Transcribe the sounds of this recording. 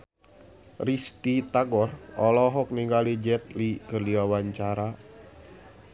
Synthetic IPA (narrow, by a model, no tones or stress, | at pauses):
rist̪it̪aɡɔrɔlɔɦɔk̚niŋɡalid͡ʒɛt̪̚likərliawant͡ʃaɾa